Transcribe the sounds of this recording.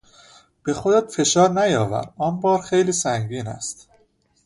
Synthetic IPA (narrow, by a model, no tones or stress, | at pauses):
b̥e̞xod̪et̪fe̞ʃɒːɾnæjɒːvæ̰ɾɒːnbɒːɾxejliːsæŋɟiːnæ̰st̪